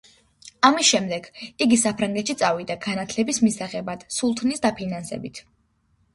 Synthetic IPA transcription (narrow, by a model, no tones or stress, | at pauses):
amisʃɛmd̪ɛɡiɡisapʰɾaŋɡɛt̪ʃit̪sʼavid̪aɡanat̪ʰlɛbismisaχɛbad̪̥sulˠt̪ʰnisd̪apʰinansɛ̰bit̪ʰ